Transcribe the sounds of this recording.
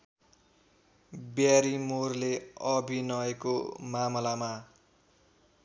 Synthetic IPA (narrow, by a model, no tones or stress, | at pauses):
bjaɾimorleʌbʱinʌekomamʌlama